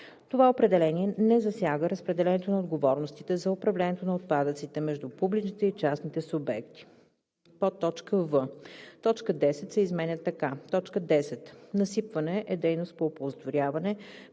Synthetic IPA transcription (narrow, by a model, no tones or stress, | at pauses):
t̪ovaopɾɛd̪ɛlɛniɛnɛzɐsʲjaɡəɾəspɾɛd̪ɛlɛnɛt̪onɐod̪ɡovɔɾnost̪it̪ɛzɐopɾɐvlɛniɛt̪onɐot̪̚pad̪ət̪sit̪ɛmɛʒd̪upublit͡ʃnit̪ɛit͡ʃasnit̪ɛsʊbɛkt̪i̥ | pot̪ːɔt͡ʃkəvət̪ɔt͡ʃkəd̪ɛsɛt̪sɛizmɛnʲət̪ːɐkat̪ɔt͡ʃkəd̪ɛsɛt̪nɐsipvɐnɛʔɛd̪ɛjnʊst̪̚poːpozt̪voɾʲavɐnɛ